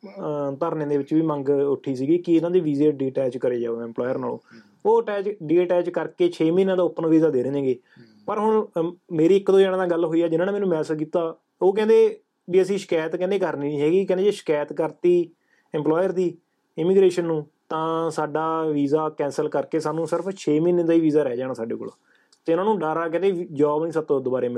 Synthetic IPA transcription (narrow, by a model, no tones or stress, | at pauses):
t̪əɾnẽːd̪eːʋɪt͡ʃʋiːmə̃ŋɡʊʈʰiːsiːɡiːkɪɪnãːd̪iːʋiːzeːɖiːʈɛːd͡ʒkəɾeːd͡ʒaːoɛ̃mplɔːjəɾnaːlõ̰ː | oːʈɛːt͡ʃɖiːʈɛːd͡ʒkəɾkeːt͡ʃʰeːmĩːnãːd̪aːʊpːənʋiːzaːd̪eːɾẽːẽːɡeː | pəɾɦʊɳmeːɾiːɪkd̪õːd͡ʒɛːɽ̃ːd̪aːɡəlɦoːiːɛːd͡ʒɪnãːnẽːmɛːnũːmɛːsək̬iːt̪aː | oːk̬ɛ̃ːnd̪eː | biːəsĩːʃkɛːt̪kɛ̃ːnd̪eːkəɾniːɦɛːɡiːkɛ̃nd̪eːd͡ʒeːʃə̥kɛːt̪kəɾt̪iː | ɛ̃ːmplɔːjəɾd̪iː | ɪmiːɡɾeːʃənːũː | t̪ãːsaːɖaːʋiːzaːkɛ̃ːnsəlkəɾkeːsaːnũːsɪɾəpʰt͡ʃʰeːminãd̪aːiːʋiːzaːɾɛːd͡ʒaːɽãːsaːɖḛːko̰ːla̰ː | t̪eʊnãːnũːɖaːɾaːkɛ̃ːnd̪eːd͡ʒaːbnĩːsət̪õːd̪oːbaːɾeːm